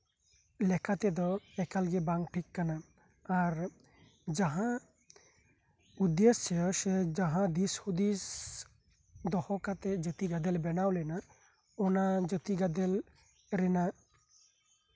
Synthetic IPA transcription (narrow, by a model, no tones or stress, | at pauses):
lɛkat̪ɛd̪ɔɛkalɡɛbaŋɡʈʰikːanaː | ɾ | d͡ʒaɦã | ud̪est͡ʃɛsɛd͡ʒaɦãd̪ishud̪is | d̪ɔhɔkat̪ɛd͡ʒət̪iɡad̪ɛlbɛnawlɛna | ɔnad͡ʒət̪iɡad̪ɛl | ɾɛna